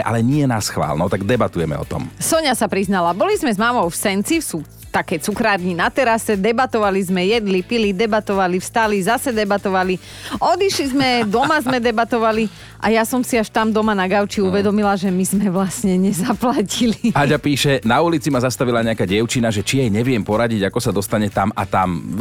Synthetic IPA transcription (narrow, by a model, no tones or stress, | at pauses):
ʔa̰lɛɲɪɛnasxʋa̰ːlnɔt̪aɡd̪ɛbat̪ujɛmɛ̰ɔ̰t̪ɔ̰msɔɲasapɾiznalabɔlizmɛzmaːmɔwfsɛnt͡sifsuː | t̪akɛːt͡sukɾaːɾɲinat̪ɛɾasɛd̪ɛbat̪ɔʋalizmɛjɛd̪lipilid̪ɛbat̪ɔʋalifst̪alizasɛd̪ɛbat̪ɔʋali | ɔd̪iʃlizmɛd̪ɔmazmɛd̪ɛbat̪ɔʋali | ʔa̰jasɔmsiaʃt̪amd̪ɔmanaɡaʊt͡ʃiuʋɛd̪ɔmilaʒɛmizmɛʋlasɲɛɲɛzaplaciliaɟapiːʃɛnaulit͡simazast̪aʋilaɲɛakaːɟɛʊt͡ʃinaʒɛt͡ʃiajɲɛʋɪɛmpɔɾaɟiɟakɔsad̪ɔst̪aɲɛt̪ama̰t̪am